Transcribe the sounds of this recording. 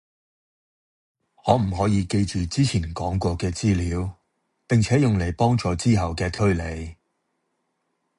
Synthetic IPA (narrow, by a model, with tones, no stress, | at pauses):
ŋɔː˨˧m̩˨˩ɦɔː˨˥jiː˧ke˧jt͡ʃyː˨t͡siː˥t͡sʰiː˨˩nkɔː˨˥ŋkʷɔː˧kɛː˧t͡siː˥liː˨˥w | pɪ˨ŋt͡sʰɛː˨˥jʊ˨ŋle˨˩jpɔː˥ŋt͡sɔː˨˧t͡siː˥ɦɐ˨˩wkɛː˧t̪ʰɵ˥ɥle˨˧j